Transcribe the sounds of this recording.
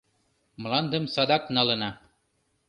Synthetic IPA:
m̆lɑnd̪ɤ̆msɑd̪ɑknɑlˠɤ̆nɑ

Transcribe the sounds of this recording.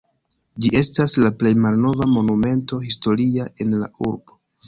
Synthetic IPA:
d͡ʒie̞staslaple̞jmalno̞vamo̞nume̞nto̞histo̞ɾiaʔe̞nla̰uɾbo̞

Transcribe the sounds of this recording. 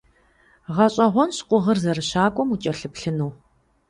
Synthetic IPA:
ʁɐɕʼɐʁʷɔnɕqʷʊʁərzɐrɨɕaːkʷʼɔmut͡ʃʼɐɬɨpɬɨnuː

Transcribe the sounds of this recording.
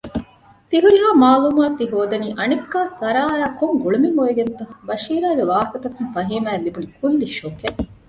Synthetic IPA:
t̪iɦuɾiɦaːmaːluːmaːt̪ːiɦoːd̪ɐniːʔɐnikːaːsɐɾaːjaːkoŋɡuɭumimoeɡent̪ɐbɐʃiːɾaːɡeʋaːkɐt̪ɐkunfɐɦiːmæːlibunikʰulːiʃoke

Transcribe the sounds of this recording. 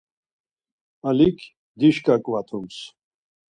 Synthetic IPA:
ɐlikʰ | d̪iʃkakwat̪ʰums

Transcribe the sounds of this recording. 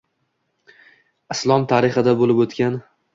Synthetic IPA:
ɪslˠɒmt̪ʰaɾɪχɪd̪abolɪpɵt̪kʲan

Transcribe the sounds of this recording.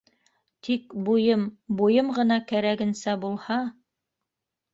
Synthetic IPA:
t̪ʰikbujɤmbujɤmʁɤ̆n̪ɑkæɾæɡɘ̆nsæbulˠhɑ

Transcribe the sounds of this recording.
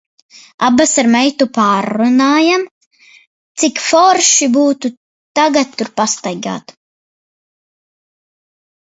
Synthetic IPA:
a̰basaɾmɛjt̪upaːɾːunaːjam | t̪sikfɔɾʃibuːt̪u | t̪aɡat̪ːuɾpast̪ajɡa̰ːt̪

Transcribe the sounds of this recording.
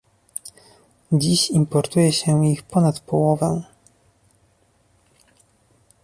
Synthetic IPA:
d͡ʑiɕimpɔɾt̪ujɛɕɛixpɔnat̪pɔwɔvɛ̰̃

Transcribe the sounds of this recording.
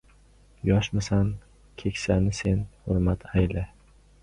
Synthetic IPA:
jɒʃmasan | kʲʰe̞kʲsanɪse̞nhʊɾmat̪ʰajlɪ

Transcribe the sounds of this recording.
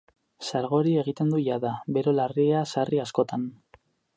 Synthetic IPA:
saɾɣ̞o̞ɾie̞ɣ̞it̪e̞nd̪uʝaðabe̞ɾo̞lariasariasko̞t̪an

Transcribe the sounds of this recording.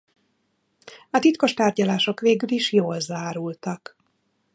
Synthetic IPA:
ɒt̪it̪ko̞ʃt̪aːrɟɒlaːʃo̞kʋeːɡyliʃjoːlzaːɾult̪ɒk

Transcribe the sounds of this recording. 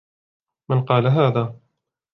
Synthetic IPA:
manqɑːlaɦaːðaː

